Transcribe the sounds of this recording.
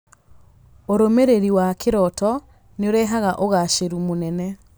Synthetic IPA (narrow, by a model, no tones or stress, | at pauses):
oɾomeɾeɾiwakʰeɾɔtɔ | neoɾɛɦaɣaʔoɣaʃeɾumonɛnɛ